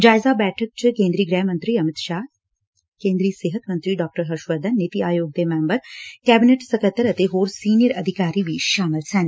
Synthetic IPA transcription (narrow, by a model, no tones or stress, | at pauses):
d͡ʒaːjzaːbɛːʈʰək̚t͡ʃikẽːnd̪ɾiːɡɾɛːɦmɐnt̪ɾiɐmit̪ʃaː | kẽːnd̪ɾiːseːɦɐt̪mɐnt̪ɾiːɖaːk̚ʈəɾɦɐɾʃʋɐɾd̪ʱɐnːit̪iʔaːjoːɡ̚d̪emeːmbɐɾkɛːbineʈsɐkɐt̪ːɐɾɐt̪eɦoːɾsiːnijəɾɐd̪ʱikaːɾiːʋiːʃʃaːmɐlsɛːn